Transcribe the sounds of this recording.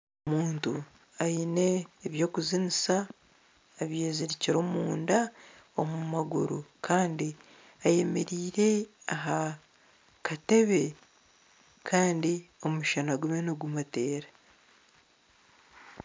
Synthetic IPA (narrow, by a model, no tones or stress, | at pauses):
oomuːntu | aine̞ːβjo̞ːkuzinisaː | βje̞ːziɾiciɾo̞ːmuːndaomumaɡṵɾukʰaːndi | aje̞me̞̰ɾiːɾe̞aɦa | kate̞βe̞ | kʰaːndio̞muʃanaɡumenuɡumate̞ːɾa